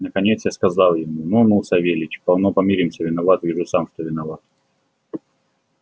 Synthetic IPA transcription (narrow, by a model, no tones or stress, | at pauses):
nəkɐnʲe̞t̪sjaskɐzalˠjɪmununulˠsʲavʲelʲɪt͡ɕʲpɐlˠnopɐmʲiɾʲɪmsʲəvʲɪnɐvat̪vʲiʐɨsamʂt̪ovʲɪnɐvat̪̚